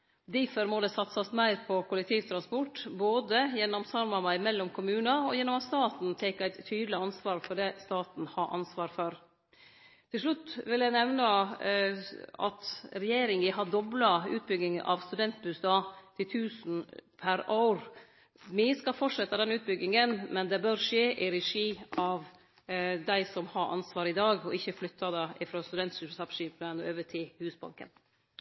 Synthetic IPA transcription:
d̪ɪfɔɾmɔd̪ɛsɑt̪sɑst̪mæɪɾpʰɔkʊlɛk̚t̪ʰiːʋt̪ʰɾɑnspɔʈːboːd̪əjɛnːɔmsɑɾmɑmɑɪmɛlːɔmkʰʊmʉːnɑɔjɛnːɔmɑt̪st̪ɑːt̪n̩t̪ʰɛːkæɪt̪ʰːyːd̪lɪɑnsʋɑːɾfɔɖɛːst̪ɑːt̪n̩hɑːʔɑ̰nsʋɑːɾfɔɾ | t̪ʰɪlʂɭʉt̪ːʋɪljæɪnɛʋnɑ | ɑ̰t̪ɾɛjeːɾɪŋɪɦɑd̪ɔblɑʉːt̪̚bʏɡ̪ɪŋʔɑ̰ʋst̪ʉd̪ɛnt̪̚bʉsd̪ɑːt̪ʰɪlt̪ʰʉːsn̩pʰæɾɑʊɾ | mɪəskɑfɔʈʂɛt̪ːɑd̪ɛnʉːt̪̚bʏɡɪŋənmɛnd̪ɛbœɾʂeːʔɪɾɛʂiːʔɑʋ | d̪æɪsɔmhɑɾʔɑ̰nsʋɑːɾɪd̪ɑːɡɔʔɪçːəflʏt̪ʰːɑd̪ɛʔɪfɾoːst̪ʉd̪ɛnt̪ʂʉsɑpʂiːp̪ənɔøːʋət̪ʰɪːhʉːsbɑ̰ŋkə̰n

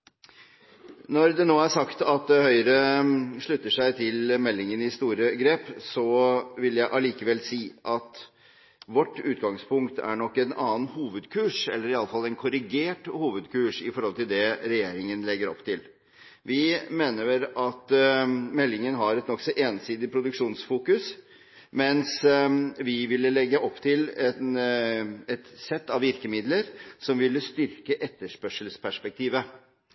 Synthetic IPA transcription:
nɔɾd̪ɛnoːæʂɑkt̪ɑt̪̚d̪ɛhœʏəɾəʂɭʉt̪ːəʂæɪt̪ʰɪlmɛlːɪŋənɪst̪uːɾəɡɾeːpsɔʋɪljæɪʔɑliːkəʋɛlsiːʔɑt̪ | ʋɔʈːʉːt̪ɡɑŋspʰʊŋkt̪ʰæ̰ɳɔkːɛnɑːnhuːʋəd̪kʰʉːʂɛlːəɾɪɑləfɑlːɛɪnkʰʊɾɪɡeːʈhuːʋəd̪kʰʉːʂɪfɔɾhɔlt̪ɪld̪ɛɾɛjeːɾɪŋənlɛɡːəɾɔ̰pːt̪ʰɪl | ʋɪmeːnəɛɾɑt̪mɛlːɪŋənɦɑɾɛt̪nɔksɔʔeːnsiːd̪ɪpʰɾʊd̪ʉkʂuːnsfuːkʉs | mɛns | ʋɪʋɪlːəlɛɡːəʔɔpːt̪ʰɪlɛn | ɛt̪sɛt̪ːɑʋɪɾkəmɪd̪ləɾsɔmʋɪlːəst̪ʏɾkəʔɛt̪ːəʂpœʂəlspʰæʂpɛk̚t̪ʰiːʋə

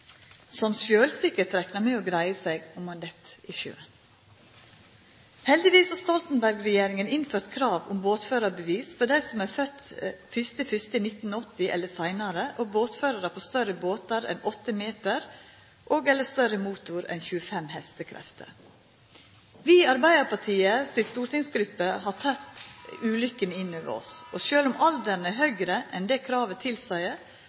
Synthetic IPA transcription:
sɔmʃøːlsɪkət̪ɾɛknɑmeːoːɡɾæɪəsæɪɡɔmɑnd̪ɛt̪ʔɪʃø̰ːn | hɛld̪ɪʋiːshɑst̪ɔlt̪n̩bæɾɡɾɛjeːɾɪŋənɪnføːɾt̪kʰɾɑːʋʊ̰mboːt̪føːɾɑɾbəʋiːsfɔɖæɪsɔmæːfœt̪fʏst̪əfʏst̪əɪnɪt̪n̩ɔt̪ːɪʔɛ̰lːəsæɪnɑɾəʔoboːt̪føːɾɑɾəpʰoːst̪œɾəboːt̪ɑɾɛ̰nɔt̪ːəmeːt̪əɾ | ʔoːɡɛlːəst̪œɾəmuːt̪ʊɾɛ̰nçʉːəfɛmhɛst̪əkʰɾɛ̰ft̪ə̰ɾ | ʋiːɑɾbæɪd̪əpʰɑʈʰiːəsɪlst̪uːɾʈɪŋsɡɾʉpːəhɑt̪ʰɑt̪ːʉːlʏkːənɪnːøːʋə̰ɾɔ̰sʔɔʃøːlʊmʔɑld̪əɾn̩æɾɦœɡɾəʔɛnd̪ɛːkʰɾɑːʋət̪ʰɪlsæɪ

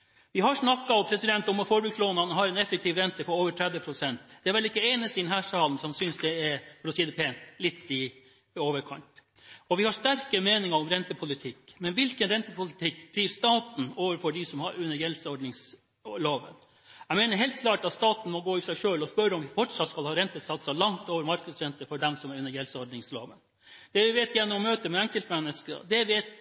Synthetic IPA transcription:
ʋɪɦɑʂnɑkːɑɔpʰɾɛsɪd̪ɛnt̪ɔmɔfɔːɾbʉɡsloːnɑnəɦɑɾɛnɛfːək̚t̪ʰiːʋɾɛnt̪əpʰɔoːʋəʈʰɾɛd̪ʋəpʰɾʊsɛnt̪d̪̥ɛæɾʋɛlɪkːəeːnəst̪əɪd̪ɛnhæːʂɑːln̩sɔmsʏnsd̪ɛɛɾɾʊsiːd̪əpʰeːnlɪt̪ːɪ | oːʋəɾkʰɑ̰ɳʈ | ɔʋɪhɑʂt̪æɾkəmeːnɪŋɑɔmɾɛnt̪əpʰʊlɪt̪ʰɪkːmɛnʋɪlkənɾɛnt̪əpʊlɪt̪ʰɪkːd̪̥ɾiːʋst̪ɑːt̪n̩oːʋəɾfɔɖɪsɔmhɑɾʉnːəɾjɛlsəɔɖɳɪŋs | loːʋə̰n | æmeːnəɾɦɛːlt̪̚kʰlɑːʈɑt̪st̪ɑːt̪n̩mɔɡoːɪsæɪʂøːlɔspœɾɔmʋɪfɔʈʂɑt̪ːskɑlhɑːɾɛnt̪əsɑt̪sɑlɑŋt̪oːʋəɾmɑɾknɑd̪sɾɛnt̪əfɔɖɛmsɔmɛɾʉnːəɾjɛlsəɔɖɳɪŋslo̰ːʋən | d̪̥ɛʋɪʋeːt̪ɪjæɳːəɔmːøːt̪əmɛɛŋkəlt̪mɛnːəskə̰d̪ɛʋɛːt̪

